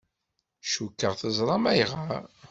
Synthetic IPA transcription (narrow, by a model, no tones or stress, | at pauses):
ʃukːəʁθəzˤɾˤɑmæjʁaɾ